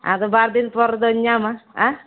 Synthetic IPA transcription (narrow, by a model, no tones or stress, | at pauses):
ã̰t̪obaɾd̪inpɔɾd̪ɔɲːamaa